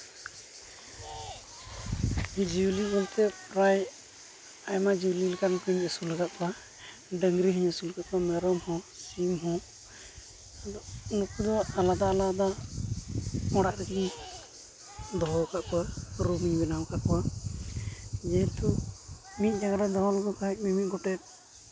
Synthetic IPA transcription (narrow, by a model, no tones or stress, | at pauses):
d͡ʒiwlibɔlt̪ɛpɾaj | ajmad͡ʒililkankəɲəsuləɡaʔ̪̚kɔa | ɖəŋɡɾiɦiɲəsulɡaʔ̪̚kɔamɛɾɔmhɔ̃t͡ʃimɦɔ̃ | d̪ɔnɔkud̪ɔalad̪aːlad̪a | ɔɽaʔɾɛkiɲ | d̪ɔɦɔkaʔkɔwaɾubiɲbɛnawkaʔkɔwa | d͡ʒɛt̪ʰu | mit̪̚ˀd͡ʒaɡaɾad̪ɔɦɔlɔɡɔkaɦc̚mimit̪̚ɡɔʈɛt̪̚